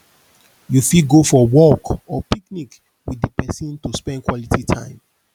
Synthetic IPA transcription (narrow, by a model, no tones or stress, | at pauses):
jufidɡofɔwɔkɔpiknik | widəpɛsɔ̃ntuspɛ̃ndkwɔlititʰã̰ɪ̃m